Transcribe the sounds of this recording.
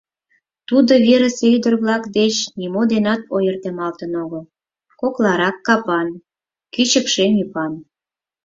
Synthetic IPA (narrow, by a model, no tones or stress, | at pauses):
t̪ud̪oβeɾə̆seyd̪ərβlɑkd̪et͡ɕnimod̪enɑt̪ojərt̪emɑlt̪ənoɣo | koklɑɾɑkːɑpɑn | kyt͡ɕəkʃemipɑn